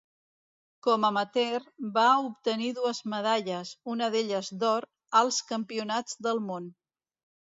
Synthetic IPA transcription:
kɔməmət̪erbaup̚t̪əniðuəzməð̞aʎəzunəðeʎəzd̪ɔɾ | əlˠskəmpiunad͡zd̪əlˠmon

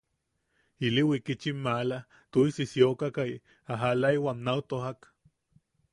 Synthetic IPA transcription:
iliwikit͡ʃimːala | t̪oisisjokakaj | aɦalaiwaːnnawt̪oɦak

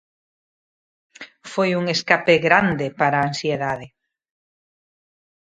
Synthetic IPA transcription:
fojuŋeskapeɣɾand̪epaɾaːnsjeðaðe

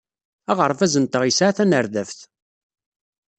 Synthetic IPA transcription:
æʁəɾˤfæzənt̪əʁisʕaθænəɾðæfθ

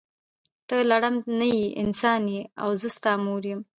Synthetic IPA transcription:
t̪əlaɽamnajiʔɪ̰nsɑnia̰wzəst̪ɑmuɾjəm

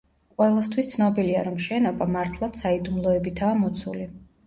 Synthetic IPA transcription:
qʼwɛlˠast̪ʰwist̪sʰnɔbilia̰ɾɔmʃɛnɔbamaɾt̪ʰlˠat̪said̪umlˠɔɛbit̪ʰaːmɔt̪sʰṵli

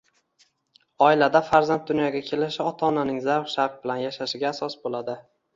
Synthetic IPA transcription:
ɒɪlad̪afaɾzant̪̚d̪ʊnjɒɡʲakʲʰe̞lɪʃɒt̪ʰɒnanɪŋzaɾʁʃaɾq̚bɪlanjaʃaʃɪɡʲaːsɒsbolad̪ɪ

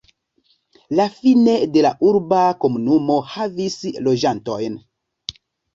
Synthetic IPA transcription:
lafine̞de̞laʔuɾbako̞munumo̞havislo̞d͡ʒanto̞jn

